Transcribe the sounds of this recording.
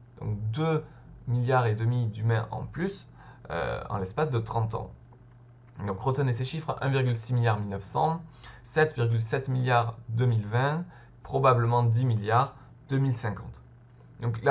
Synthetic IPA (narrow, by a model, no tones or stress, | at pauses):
d̪̥ɔ̰̃kd̪ø | miljaʁed̪əmid̪ymɛ̃ʔɑ̰̃plys | ø̰ɑ̰̃lɛspasd̪ət̪χɑ̃t̪ɑ̰̃ | d̪ɔ̃kʁət̪əneseʃifχəʔɛ̰̃viʁɡʲylsimiljaʁmilnəfsɑ̰̃sɛt̪viʁɡʲylsɛt̪miljaʁd̪ømilvɛ̃ | pχɔbabləmɑ̃d̪imiljaʁ | d̪̥ømilsɛ̃kɑ̰̃t̪ | d̪ɔ̃kla